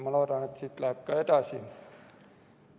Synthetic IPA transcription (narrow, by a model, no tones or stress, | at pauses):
moloˑt̪ɑnet̪sit̪lækːɑet̪æˑsi